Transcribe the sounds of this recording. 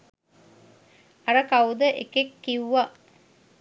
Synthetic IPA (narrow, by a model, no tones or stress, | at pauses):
ɐɾəkawd̪əʔḛkekːiwuʋa